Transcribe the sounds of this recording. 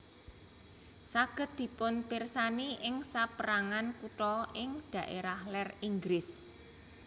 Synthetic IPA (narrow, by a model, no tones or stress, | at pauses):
saɡ̥ə̤t̪̚d̪̥i̤pʊnpersaniʔɪŋsapəɾaŋankuʈɔɪŋd̪̥ä̤ʔḛɾahlɛriŋɡɾɪs